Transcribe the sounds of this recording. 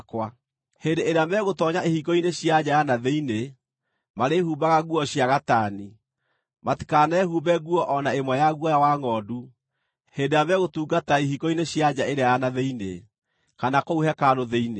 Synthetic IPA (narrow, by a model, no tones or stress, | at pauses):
kwa | hendeeɾeamɛɣotɔɲaʔehikɔineɕjad͡ʑajanaðeine | maɾehuːbaɣaɣuɔɕjaɣatani | mati̥kanɛɦuːbɛɣuɔʔɔnaemwɛjaɣwɔjawaŋɔːdu | hendejamɛɣotuːɡataiɦikɔineɕjad͡ʑaeɾeajanaðeinḛ | kanakouhɛkanoðeine